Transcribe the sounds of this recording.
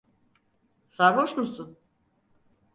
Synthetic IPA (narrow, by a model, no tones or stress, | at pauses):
saɾvoʃmusun